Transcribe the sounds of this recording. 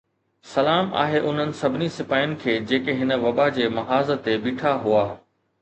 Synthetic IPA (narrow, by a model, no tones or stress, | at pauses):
sɐlaːma̰ːɦeʔʊn̤ənɪ̆sɐbʱɪnisɪpaːjʊnɪ̆kʰeːd͡ʑeːkeɦɪnə̆ʋɐɓad͡ʑeːmɐɦaːzə̆t̪ebiːʈʰaɦuaː